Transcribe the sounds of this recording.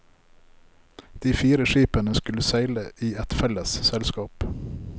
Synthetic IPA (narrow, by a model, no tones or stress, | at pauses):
d̪̥iːfiːɾəʃiːpənəskʉləsæɪləʔiːɛt̪fɛləssɛlskɑːp